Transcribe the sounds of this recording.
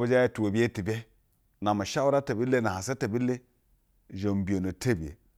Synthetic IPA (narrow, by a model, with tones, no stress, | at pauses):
ba˦d͡ʒa˦je˦tu˨wo˨bi˦je˦ti˨be˦ | na˨ma˨ʃa˦wu˦ɾa˦ta˨bi˦le˦na˨ha˨sa˦te˨bi˦le˦˨ | ʒo˨m˨bi˨o˨no˨te˦bi˨jḛ˨